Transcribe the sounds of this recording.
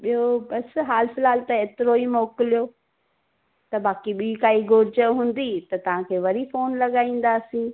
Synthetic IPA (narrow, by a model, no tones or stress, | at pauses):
ɓiɦobɐsɦaːlfɪlaːlt̪ɐeːt̪ɪɾoimɔːkɪlijoː | t̪ɐbaːkiɓiːkaːiɡʱʊɾɪd͡ʑəɦũːnd̪it̪ɐt̪ɐʋ̤ãkʰeːʋɐɾifoːnlɐɠaːĩːn̆d̪aːsĩː